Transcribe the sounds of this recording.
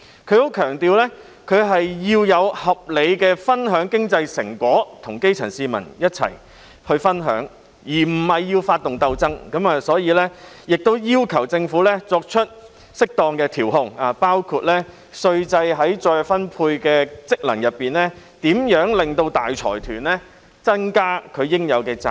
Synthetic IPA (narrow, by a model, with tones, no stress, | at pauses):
kʰɵ˨˧ɥho˨˥wkʰœː˨˩ŋt̪iː˨˧wlɛː˥ | kʰɵ˨˧ɥɦɐ˨jjiː˧wjɐ˨˧whɐ˨p̚le˨˧jkɛː˧fɐ˥nɦœː˨˥ŋkɪ˥ŋt͡sɐ˧jsɪ˨˩ŋkʷɔː˨˥t̪ʰʊ˨˩ŋke˥jt͡sʰɐ̰˨˩nsiː˧mɐ̰˨˩njɐ˥t̚t͡sʰɐ̰˨˩j | hɵ˧ɥfɐ˥nɦœ̰ː˨˥ŋ | jiː˨˩m̩˨˩hɐ˨˩jːiː˧wfaː˧t̪ʊ˨˩ŋt̪ɐ˧wt͡sɐ˥ŋkɐ˨˥maː˨˧sɔː˨˥jiː˨˧lɛː˥jɪ˨k̚t̪o˥wjiː˥wkʰɐ˨˩wt͡sɪ˧ŋfuː˨˥lɛː˥t͡sɔː˧k̚t͡ʃʰɵ˥t̚ | sɪ˥k̚t̪ɔː˧ŋkɛː˧t̪ʰiː˨˩wɦʊ˧ŋaː˨˩paː˥wkʰuː˧t̚lɛː˥ | sɵ˧ɥt͡sɐ˧jɦɐ˨˥jt͡ʃɔː˧jfɐ˥npʰuː˧jkɛː˧t͡sɪ˥k̚lɐ˨˩njɐ˨˩t̚pːiː˨nlɛː˥ | t̪iː˨˥mjœː˨˥ŋlɪ˨ŋt̪o˧wt̪aː˨jt͡ʃʰɔ̰ː˨˩jt̪ʰyː˨˩nlɛ˥ | t͡sɐ˥ŋkaː˥kʰɵ˨˧ɥjɪ˥ŋjɐ˨˧wkɛː˧t͡sa˨